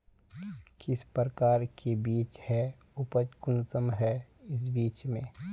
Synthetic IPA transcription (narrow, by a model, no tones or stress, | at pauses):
kɪspəɾkaːɾkʰebiːt͡ʃhɛ | ʊpət͡ʃkʊnsəmɦɛɪs̬biːt͡ʃmẽː